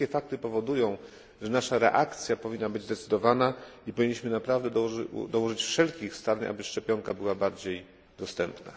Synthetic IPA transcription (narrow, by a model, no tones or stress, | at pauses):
ɛfak̚t̪ɘpɔvɔd̪ujɔ̃w̃ | ʐɛnaʂaɾɛ̰ʔakt̪sʲjapɔvʲinːabɘd͡ʑzd̪ɛt̪sɘd̪ɔvanaipɔvʲiɲːiɕmɘnapɾavd̪ɛd̪ɔwɔʐɘt͡ɕfʂɛlkʲixst̪aɾɲʔa̰bɘʂt͡ʂɛpʲjɔŋkabɘwabaɾd͡ʑej | d̪ɔst̪ɛmpna̰